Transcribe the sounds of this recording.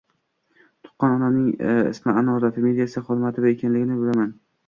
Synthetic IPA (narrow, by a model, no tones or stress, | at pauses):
t̪ʰʊ̥qːɒnɒnanɪŋɪ̰smɪanɒd̪afɪmed̪ijasɪχɒd̪ɪmat̪ʰɪd̪aekʲʰanlɪɡʲɪnɪbɪlaman